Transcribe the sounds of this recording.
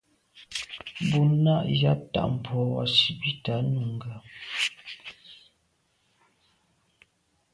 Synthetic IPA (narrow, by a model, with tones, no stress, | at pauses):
bu˨na˦ʔja̰˦p̚ta̰˨ʔm̩˨pʰɔ˨˦wa̰˨si˨bi˦ta˨˦nu˨ŋ˨ɡa˨